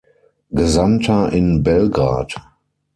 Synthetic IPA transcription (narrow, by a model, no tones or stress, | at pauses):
ɡ̥əzamtʰɐʔɪnbɛlɡʁa̰ːt